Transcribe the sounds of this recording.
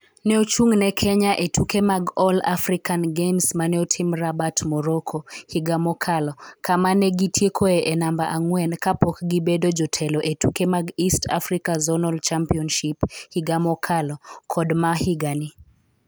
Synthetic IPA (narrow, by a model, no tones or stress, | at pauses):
nɛot͡ʃuŋnɛkʰɛɲaʔetʰukemaɡɔla̰fɾikanɡemsmanɛotʰimɾabatmɔɾokʰohiɡamɔkʰalɔkʰamanɛɡitʰjekʰoeʔɛnambaʔaŋwɛnkapɔkɡibedod͡ʒɔtʰɛlɔʔetukemaɡistʰa̰fɾikazɔnɔlt͡ʃampiɔnʃiphiɡamɔkʰalɔkʰɔdmahiɡani